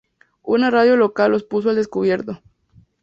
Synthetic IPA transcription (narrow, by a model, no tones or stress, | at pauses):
unaraðjo̞lo̞kalo̞spus̬o̞eld̪eskuβje̞ɾt̪o